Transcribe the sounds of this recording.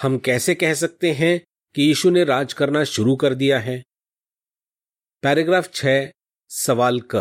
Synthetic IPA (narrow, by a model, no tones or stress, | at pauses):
hɐmkɛːsekɛɦs̬ɐk̚t̪eɦɛ̃ | kijiːʃuneɾaːd͡ʒkɐɾnaʃʊɾukɐɾd̪ijaɦɛː | pɛːɾeɡɾaːft͡ʃʰɛː | sɐʋaːlkɐ